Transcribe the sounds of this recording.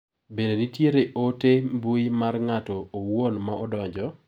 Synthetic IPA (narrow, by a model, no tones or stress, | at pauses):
bededitjeɾeʔotembuimarŋatɔːwonmaʔɔdɔɲd͡ʒɔ